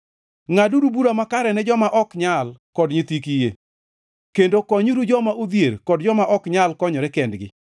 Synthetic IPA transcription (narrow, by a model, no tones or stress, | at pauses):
ŋaduɾubuɾamakaɾɛnɛd͡ʒɔmaʔɔkɲalkɔdɲɪt̪ikijḛ | kendokɔɲuɾud͡ʒɔmaʔod̪jeɾkɔd̚d͡ʒɔmaʔɔkɲalkɔɲɔɾɛkɛndɡɪ̰